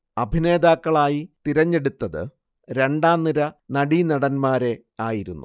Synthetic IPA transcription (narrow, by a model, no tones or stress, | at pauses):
ɐbʱine̞ːd̪aːkːɐɭaːjit̪iɾɐɲːe̞ɽut̪ːɐðɨ̰ | ɾe̞ɳɖaːnːiɾɐnɐɽinɐɽɐnmaːɾe̞ | aːjiɾṵnːu